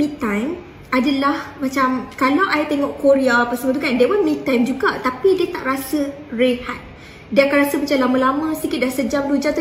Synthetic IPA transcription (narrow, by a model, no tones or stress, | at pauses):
mĩt̪ãjm | adalahmãt͡ʃamkalawʔait̪eŋɔʔkoɾiapəsəmãt̪ukandewamĩt̪ajmd͡ʒuɡat̪apidiət̪a̰ʔrasə | rehat̪̚ | diəakanɾasəmat͡ʃalamãlamãsikit̪̚dahsəd͡ʒamdud͡ʒamt̪